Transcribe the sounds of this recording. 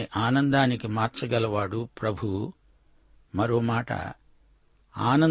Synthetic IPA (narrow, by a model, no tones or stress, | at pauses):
iʔaːnɐnd̪aːnikimaːɾt͡ʃɐɡɐlɐʋaːɽupɾɐbʱu | mɐɾoːmaːʈɐ̰ | aːnɐ